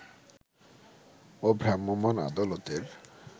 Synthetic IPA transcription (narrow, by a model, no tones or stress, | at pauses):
obʱɾamːomana̰d̪alot̪eɾ